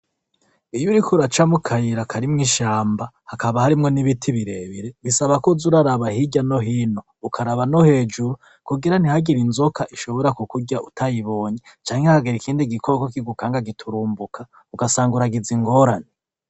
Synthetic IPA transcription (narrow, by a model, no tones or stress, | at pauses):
ijuɾikʰuɾat͡ʃamukʰajiɾakʰaɾimŋiːʃaːmbahakaβahaɾimŋo̞niβitʰiβiɾe̞βiɾe̞ɡisaβakozuɾaɾaβahiɟano̞ɦiːno̞ːkʰaɾaβano̞he̞ːd͡ʒuɾu | kuɡiɾan̥ihaɡiɾinzokʰaʔiʃo̞βo̞ɾakukuɟaʔutʰajiβo̞ːɲet͡ʃaːɲheakaɡeɾikʰiːndiɡikʰokokiɡukaːŋɡaɡitʰuɾuːmbukʰa | ukasaːŋɡuɾaɡiziŋɡo̞ːɾane